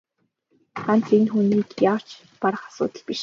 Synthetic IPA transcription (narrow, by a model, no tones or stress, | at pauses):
χan̥t͡senxuniːkjaw̥t͡ɕ | paɾə̆χḁsʊ̰ːt̪ə̆ɮpiʃ